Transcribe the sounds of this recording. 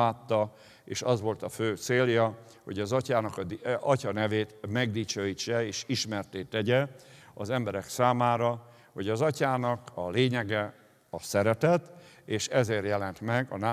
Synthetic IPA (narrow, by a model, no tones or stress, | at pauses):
aːt̪ːɒ | eːʃɒzʋo̞lt̪ɒføːt̪seːljɒ | ho̞ɟɒzɒcaːnɒkɒɒcɒnɛveːt̪mɛɡd̪it͡ʃøːjit͡ʃːɛeːʃiʃmɛrt̪eːt̪ːɛɟɛɒ̰zɛmbɛɾɛksaːmaːɾɒ | ho̞ɟɒzɒcaːnɒkɒleːɲɛɡɛ | ɒsɛɾɛt̪ɛt̪eːʃɛzeːrjɛlɛnt̪mɛɡɒna